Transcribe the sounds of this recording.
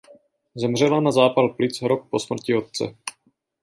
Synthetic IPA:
zɛmr̝ɛlanazaːpalplɪt͡sɦɾok̚po̞smr̩cɪo̞t̪̚t͡sɛ̰

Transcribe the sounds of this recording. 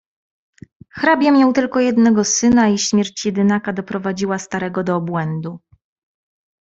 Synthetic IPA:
xɾabʲjamʲjawt̪ɘlkɔjɛd̪nɛɡɔsɘnaiɕmʲjɛɾt͡ɕjɛd̪ɘnakad̪ɔpɾɔvad͡ʑiwast̪aɾɛɡɔd̪ɔːbwɛnd̪u

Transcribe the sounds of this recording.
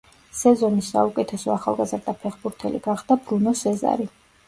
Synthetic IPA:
sɛzɔnisːa̰ukʼɛt̪ʰɛsɔaχa̰lˠɡazɾd̪apʰɛχbuɾt̪ʰɛlḭɡ̥aχd̪abɾunɔsɛza̰ɾi

